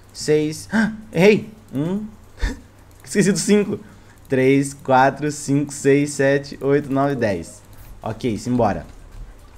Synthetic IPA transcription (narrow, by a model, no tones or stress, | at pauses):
sejsaejũ | ɪ̥skesid̪ʊsĩŋkʊ | t̪ɾeskwat̪ɾʊsĩkʊ̥sejsɛt͡ʃɪ̥ʔojt̪ʊnɔvɪd̪ɛjs | o̰kejsĩj̃bɔɾɐ̰